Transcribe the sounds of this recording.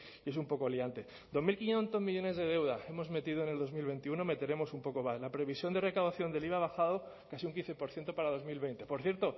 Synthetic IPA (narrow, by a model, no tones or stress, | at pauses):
ie̞s̬umpo̞koliant̪e̞ | d̪o̞zmilkinjent̪o̞zmiʝo̞ne̞zðe̞ðe̞wðae̞mo̞zme̞t̪iðoene̞lðo̞zmilβe̞nt̪iuno̞me̞t̪e̞ɾe̞mo̞sumpo̞ko̞maslapɾe̞βisjo̞nd̪e̞re̞kawðaθjo̞nd̪e̞liβaβaxaðo̞ | kasiuŋkin̟θe̞po̞ɾθje̞nt̪o̞paɾað̞o̞zmilβe̞jnt̪e̞po̞ɾθje̞ɾt̪o̞